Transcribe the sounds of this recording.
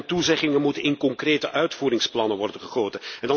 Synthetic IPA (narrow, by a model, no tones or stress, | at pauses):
ntuzɛχɪŋəmutənɪnkɔŋkreːtəʔœɥtfuːɾɪŋsplɑnənʋɔrdənχəχoːtənɛndɑ